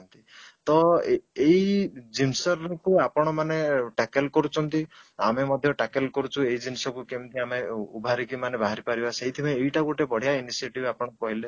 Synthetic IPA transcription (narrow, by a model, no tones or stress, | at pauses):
nt̪it̪ɔeeid͡ʒimsɔɾɔkuapɔɽ̃ɔmaneʈakelkɔɾut͡ʃʰɔnt̪i | amemɔd̪ʱjɔʈakelkɔɾut͡ʃʰueɦid͡ʒinisɔkukemt̪iameubʱaɾikimanebaɦaɾipaɾibaseɦit̪ʰibeːjʈakuʈebɔɽ̤ijainisieʈibapɔɽ̃ɔkɔɦile